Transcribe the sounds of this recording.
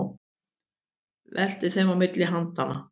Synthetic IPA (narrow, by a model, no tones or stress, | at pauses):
vɛl̥t̪ɪ̥θejmawmɪt̪lɪɦant̪ana̰